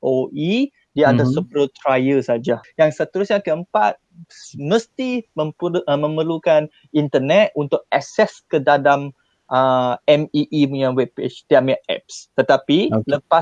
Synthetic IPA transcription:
ʔoʔi | diaadasəpɾət̪ɾajəsad͡ʒajaŋsət̪əɾusɲãkəəmpa̰t̪̚sməst̪iməmə̃məlukan | int̪ənɛt̪̚unt̪ʊk̚asɛskədadam | ʔəɛmiʔimuɲãwɛbet͡ʃt̪iamɛʔɛ̰p̚st̪ət̪apiləpas

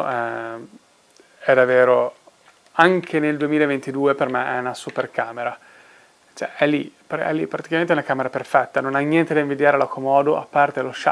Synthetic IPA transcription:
ʔɛ | ɛd̪avːeːɾo | aŋkʰeneld̪uemilaevent̪id̪uːepermeʔɛunasuperkaːmeɾa | t͡ʃɛʔɛlːipɾɛ̰lːipːɾat̪i̥kamẽnt̪ɛunakaːmeɾaperfɛt̪ːanonaɲːjɛnt̪ed̪aĩɱvid̪jaːɾelakʰːomɔːd̪oʔapːart̪edloʃa̰

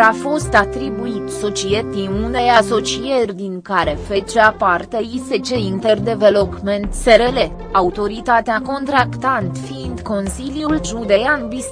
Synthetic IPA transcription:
afo̞st̪at̪ɾibuit̪so̞t͡ʃiet̪inune̞jaso̞t͡ʃijerʲd̪iŋkaɾe̞fe̞t͡ʃeapart̪əise̞t͡ʃe̞int̪e̞rd̪e̞ve̞lo̞pment̪seɾe̞le̞ | aut̪o̞ɾit̪at̪eako̞nt̪ɾakt̪ant̪fiːnd̪ko̞nsiljulʒud̪e̞janbis

